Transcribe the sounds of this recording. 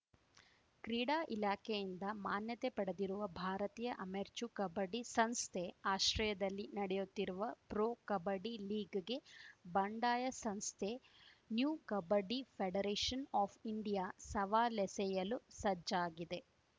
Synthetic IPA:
kɾiːɽaːʔilaːkʰejind̪ɐmaːnjɐt̪epɐɽed̪iɾuʋɐbʱaːɾɐt̪iːjɐʔɐmeɾt͡ʃukɐbɐɖisɐnst̪ʰeaːʃɾɐjɐd̪ɐlːinɐɽɛjut̪ːiɾuʋɐpɾoːkɐbɐɖiliːɡɡe̞bɐɳɖaːjɐsɐnst̪ʰe | njuːkɐbɐɖipʰeɖɐɾeːʂɐnaːpʰiɳɖijaːsɐʋaːlɛsɛjɐlusɐd͡ʒaːɡid̪e̞

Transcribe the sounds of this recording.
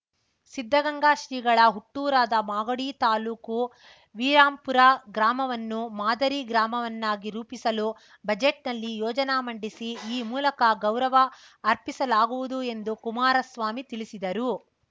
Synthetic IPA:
sid̪ʱːɐɡɐŋɡaːʃɾiːɡɐɭɐɦuʈːuːɾaːd̪ɐmaːɡɐɽiːt̪aːluːku | ʋiːɾaːmpuɾaɡɾaːmɐʋɐnːumaːd̪ɐɾiːɡɾaːmɐʋɐnːaːɡiɾuːpisɐlu | bɐd͡ʒeʈ̚nɐlːijɔːd͡ʒɐnamɐɳɖisiiːmuːlɐkɐɡɐwɾɐʋɐː | ɾpisɐlaːɡuʋud̪ue̞nd̪ukumaːɾɐsʋaːmit̪ilisid̪ɐɾu

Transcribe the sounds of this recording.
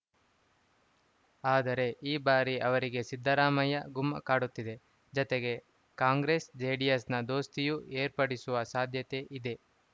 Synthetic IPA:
aːd̪ɐɾe̞ʔiːbaːɾiʔɐʋɐɾiɡe̞sid̪ʱːɐɾaːmɐjɐɡumːɐ̰kaːɽut̪ːid̪e̞ | d͡ʒɔt̪eɡe̞ | kaːŋɡɾe̞sd͡ʒeːɖijesnɐd̪o̞ːst̪ijueːɾpɐɽisuʋɐsaːd̪ʱjɐt̪e̞ʔid̪e̞

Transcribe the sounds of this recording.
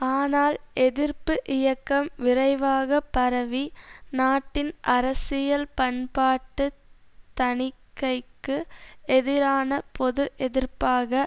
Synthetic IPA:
aːnaːlɛðɪrpɯʔɪjɐkːɐmʋɪɾɐɪʋaːɣɐpːɐɾɐʋinaːʈːɪnʔɐɾɐsɪjɐlpɐnpaːʈːɯt̪ɐɳɪkːɐɪkːɯɛðɪɾaːnɐpɔðɯʔɛðɪɾpaːɣɐ

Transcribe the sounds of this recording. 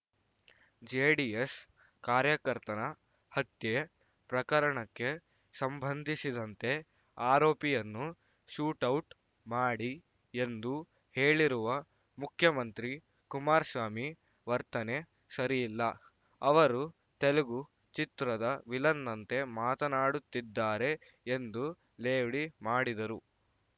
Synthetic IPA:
d͡ʒeːɖies | kaːɾjɐkɐɾt̪ɐnɐ | hɐt̪je | pɾɐkɐɾɐɳɐkːe̞ | sɐmbʱɐnd̪ʱisid̪ɐnt̪e̞ | aːɾoːpijɐnːu | ʃuːʈɐwʈ | maːɽi | end̪u | heːɭiɾuʋɐ | mukʰjɐmɐnt̪ɾi | kumaːɾsʋaːmi | ʋɐɾt̪ɐne̞ | sɐɾijilːɐ | ɐʋɐɾu | t̪eleɡu | t͡ʃit̪ɾɐd̪ɐʋilɐnːɐnt̪e̞maːt̪ɐnaːɽut̪ːid̪ːaːɾe̞ | end̪u | leːʋɽimaːɽid̪ɐɾu

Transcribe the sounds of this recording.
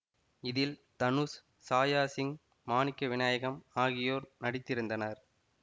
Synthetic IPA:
ɪðɪlt̪ɐnus | saːjaːsɪŋ | maːnɪkːɐʋɪnaːjɐɣɐmaːɣɪjoːɾnɐɽɪt̪ːɪɾɯnd̪ɐnɐɾ

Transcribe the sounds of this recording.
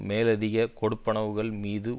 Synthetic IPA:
meːlɐðɪɣɐkɔɽɯpːɐɳɐʋɯɣɐɭmiːðɯ

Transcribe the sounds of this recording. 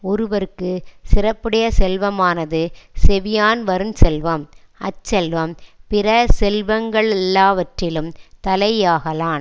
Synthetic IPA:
ɔɾɯʋɐɾɯkːɯsɪrɐpːɪɽɐjɐsɛlʋɐmaːnɐðɯsɛʋɪjaːnʋɐɾɯnsɛlʋɐm | ɐt͡ʃːɛlʋɐmpɪɾɐsɛlʋɐŋɡɐɭɛlːaːʋɐʈrɪlɯmt̪ɐlɐjaːɣɐlaːn

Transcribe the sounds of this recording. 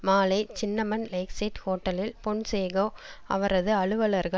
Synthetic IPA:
maːlɐɪt͡ʃɪnːɐmɐnlɐɪksɐʈhoːʈːɐlɪlpɔɳseːɣɐɐ̰ʋɐɾɐðɯɐɭɯʋɐlɐɾɣɐ

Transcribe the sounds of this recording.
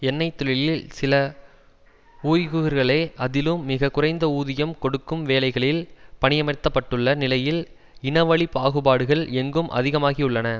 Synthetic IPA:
ɛnːɐɪt̪ːɔɭɪlɪlsɪlɐ | uːjɣɯɣɐɾɣɐɭɐːʔɐðɪlɯmːɪɣɐkʊrɐɪnd̪ɐuːðɪjɐmkɔɽɯkːɯmʋeːlɐɪɣɐɭɪlpɐɳɪjɐmɐɪt̪ːɐpːɐʈːɯɭːɐnɪlɐjɪl | ɪnɐʋɐɭɪpːaːɣɯbaːɽɯɣɐɭɛŋɡɯmʔɐ̰ðɪɣɐmaːɣiʊɭːɐnɐ

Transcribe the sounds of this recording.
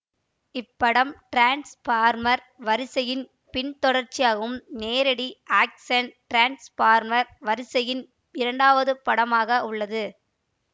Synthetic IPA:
ɪpːɐɽɐmʈɾaːnspaːɾmɐɾ | ʋɐɾɪsɐjɪn | pɪɳt̪ɔɽɐɾt͡ʃːɪjaːɣɐɯmneːɾɐɽiʔaːksɐnʈɾaːnspaːɾmɐɾʋɐɾɪsɐjɪn | ɪɾɐɳɖaːʋɐðɯpɐɽɐmaːɣɐʔʊɭːɐðɯ

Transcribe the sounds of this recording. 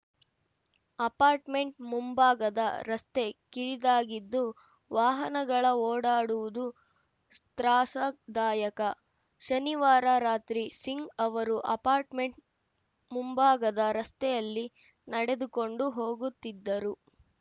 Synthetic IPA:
ɐpaːɾʈme̞ɳʈ̚mumbaːɡɐd̪ɐ̰ɾɐst̪e̞kiɭid̪aːɡid̪ːu | ʋaːɦɐnɐɡɐɭɐoːɽaːɽuʋud̪u | st̪ɾaːʂɐd̪aːjɐkɐ | ʃɐniʋaːɾaɾaːt̪ɾisiŋɡɐʋɐɾuʔɐpaːɾʈme̞ɳʈ | mumbaːɡɐd̪ɐɾɐst̪ɛjɐlːi | nɐɽed̪uko̞ɳɖuɦo̞ːɡut̪ːid̪ːɐɾu

